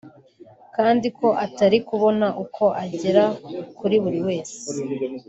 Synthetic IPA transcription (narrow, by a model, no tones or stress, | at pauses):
kaːndikʰo̞ʔataɾikuβo̞naʔukʰo̞ʔaɟeɾakuɾiβuɾiwe̞ːse̥